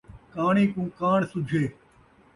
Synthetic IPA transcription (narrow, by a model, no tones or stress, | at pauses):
kaːɳĩːkũːkaːɳsʊd͡ʒʱeː